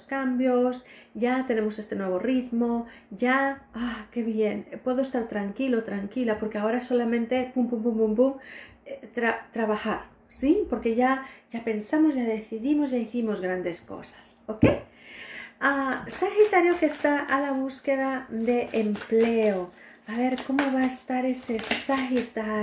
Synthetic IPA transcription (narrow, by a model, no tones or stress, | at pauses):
skambjo̞sʝat̪e̞ne̞mo̞se̞st̪e̞nwe̞βo̞rit̪mo̞ | ʝaake̞βje̞npwe̞ðo̞st̪aɾt̪ɾaŋkilo̞t̪ɾaŋkilapo̞ɾke̞ao̞ɾaeso̞lamẽ̞nt̪e̞pumpumpumpumpuŋ | t̪ɾat̪ɾaβaxaɾ | sipo̞ɾke̞ʝaʝape̞nsamo̞zʝaðe̞θiðimo̞zʝaiθimo̞zɣɾand̪e̞sko̞̰sḁs | okej | asaxit̪aɾjokest̪aalaβ̞uske̞ðad̪e̞ʔempleo | aβe̞ɾko̞moβaest̪aɾe̞se̞saxit̪a